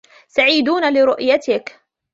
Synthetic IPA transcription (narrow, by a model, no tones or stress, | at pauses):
saʕiːd̪uːnalɪɾʊʔjat̪ɪk